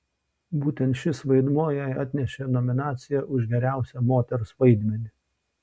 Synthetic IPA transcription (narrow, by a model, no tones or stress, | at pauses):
buːt̪ʲɛnt̪ʃʲɪsʋɐɪd̪muɔjæɪɑt̪ʲnʲɛʃʲenɔmʲɪnɑːt̪sʲɪjɛʔʊʒɡʲɛɾʲæˑʊsʲɛmoːt̪ʲɛɾʊsʋɐɪd̪ʲmʲɛnʲɪ